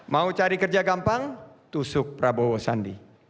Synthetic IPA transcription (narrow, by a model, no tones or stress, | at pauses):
maut͡ʃaɾikərd͡ʒaɡampaŋt̪usʊk̚pɾabowosandi